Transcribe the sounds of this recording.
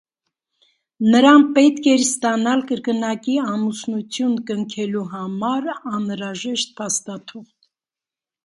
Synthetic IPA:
nəɾɑnpɛt̪kʰɛɾst̪ɑnɑlkəɾkənɑkiɑmusnut͡sʰjunkəŋkʰɛluɦɑmɑɾɑnɾɑʒɛʃt̪̚pʰɑst̪ɑt̪ʰuχt̪

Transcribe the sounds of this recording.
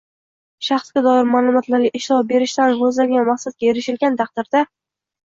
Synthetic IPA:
ʃɑχsɡʲad̪ɒɪɾmaːlˠʊmat̪laɾʲaʔɪʃlɒbe̞ɾɪʃt̪anɾɵzlaɡʲanmaχsat̪̚kʲajeɾɪʃɪlɡʲant̪ʰɑq̚d̪ɪɾd̪a

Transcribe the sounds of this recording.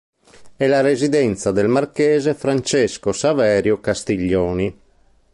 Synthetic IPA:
ɛlaɾezid̪ɛnt̪sad̪ɛlmarkɛːzefɾant͡ʃɛskosavɛːɾjokast̪iʎːɔːni

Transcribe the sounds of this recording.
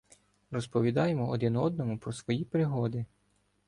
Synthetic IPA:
rɔspɔʋʲid̪ɑjemɔɔd̪ɪnɔd̪̚nɔmʊpɾɔsʋɔjipɾɪɦɔd̪ɪ

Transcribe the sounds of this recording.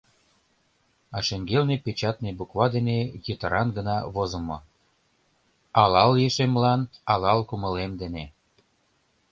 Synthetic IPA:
ɑʃeŋɡelnepet͡ɕɑt̪̚nebukβɑd̪enejət̪əɾɑnɡənɑβozə̆mo | ɑlɑljeʃemlɑnɑlɑlkumə̆lemd̪ene

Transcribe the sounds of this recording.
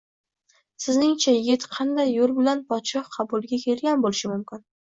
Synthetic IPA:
sɪznɪŋt͡ʃʰajɪɡʲɪt̪qʰɑnd̪ajːolˠbɪlanpʰɒt̪ʃɒqʰɑbʊlˠɡʲakʲʰe̞lɡʲanbolɪʃɪmʊmkʲɪn

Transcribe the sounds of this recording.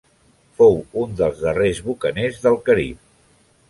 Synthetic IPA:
fowund̪əlˠzðərezβukənezðəlˠkəɾḭp̚

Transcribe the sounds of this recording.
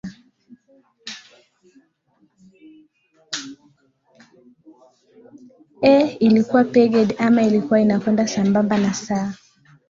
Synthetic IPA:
ɛilikuwapɛɡɛdamailikuwainakwɛndasambambanasa

